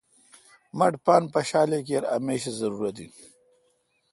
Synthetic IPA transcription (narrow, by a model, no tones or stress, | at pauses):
mɐʈpaːnpɐɕaːlek̬eɾɐ̰meːɕezɐɾuːɾɐt̪i